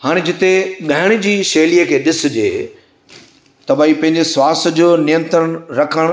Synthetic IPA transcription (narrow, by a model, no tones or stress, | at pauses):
haːɽ̃ed͡ʑɪt̪eɠaːɪɽ̃ɪ̆d͡ʑiːʃeːliːəkʰeːɗɪsʊd͡ʑḛː | t̪ɐbaːipɐ̃ɦɪ̃ɲd͡ʑeswaːsd͡ʑoːnɪjə̃nt̪əɾəɽ̃ɾɐkʰəɽ̃